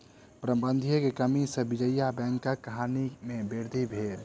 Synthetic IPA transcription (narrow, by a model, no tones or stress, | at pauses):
pɾəbə̃nd̪ʱijokekəmisə̃bid͡ʒəjabɛ̃ːŋkəkːəɦanimẽbeɾd̪ʱibʱeːl